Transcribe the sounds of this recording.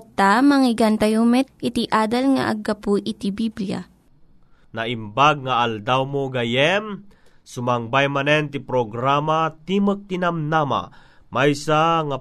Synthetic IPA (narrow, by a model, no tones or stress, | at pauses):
t̪ːamɐŋiɡant̪ɐjumɛt̪ɪt̪iʔaːd̪ɐlŋa̰ʔɐ̰ɡapuʔit̪ibiblija̰ | naʔimbaɡ̚ŋaald̪awmoɡajɛm | sʊmaŋbajmanɛnt̪ipɾoɡɾamat̪imək̚t̪inamnama̰ | majsaŋa